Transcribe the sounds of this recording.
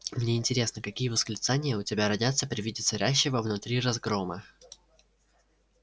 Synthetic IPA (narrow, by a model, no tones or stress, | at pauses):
mnʲe̞ɪnʲtʲɪɾʲe̞snəkɐkʲijəvəsklʲɪt̪sanʲɪjəʊtʲɪbʲaɾɐdʲat̪sːəpɾʲɪvʲidʲɪt̪sɐɾʲæɕːɪvəvnʊt̪ɾʲirɐzɡɾomə